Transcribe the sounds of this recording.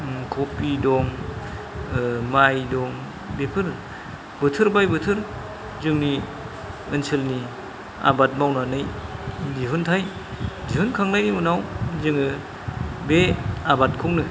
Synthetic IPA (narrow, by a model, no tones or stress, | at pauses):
kʰopidɔŋ | majdɔŋ | bepʰɯɾ | bɯtʰɯɾbajbɯtʰɯɾ | zɯŋni | ɯnsɯlni | a̰bat̚mawnanɯjdiɦɯntʰaj | diɦɯnkʰaŋnajnimunawzɯŋɯ | beabat̚kʰɔŋnɯ